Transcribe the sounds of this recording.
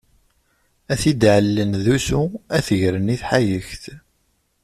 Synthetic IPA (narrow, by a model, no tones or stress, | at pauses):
æθid̪ʕəlːənðusuæθəʝɾəniθħajəçθ